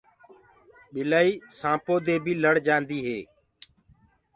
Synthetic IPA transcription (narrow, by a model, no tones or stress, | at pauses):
ɓɪlaːiːsãːpoːd̪eːbʱiːləɽd͡ʒãːnd̪iːɦeː